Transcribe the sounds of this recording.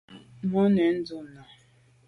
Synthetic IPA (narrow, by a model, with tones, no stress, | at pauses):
mɔ˦ne˨n̩˦dʊ˦˨na˨